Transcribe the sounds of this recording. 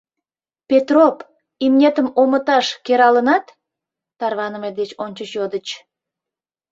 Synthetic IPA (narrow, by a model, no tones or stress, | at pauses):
pet̪rop | imnʲet̪əmomət̪ɑʃkeɾɑlənɑt̪ | t̪ɑrβɑnəmed̪et͡ɕonʲt͡ɕəɕjod̪ət͡ɕ